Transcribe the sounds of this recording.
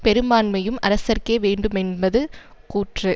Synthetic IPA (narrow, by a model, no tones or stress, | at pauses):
pɛɾɯmaːnmɐjɯmɐ̰ɾɐsɐɾkeːʋeːɳɖɯmɛnbɐðɯ | kuːʈrɯ